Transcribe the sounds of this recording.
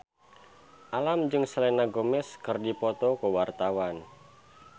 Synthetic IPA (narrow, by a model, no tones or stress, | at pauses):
ʔalamd͡ʒɨŋsəlɛnaɡomɛskɨrdipɔt̪ɔkəwart̪awan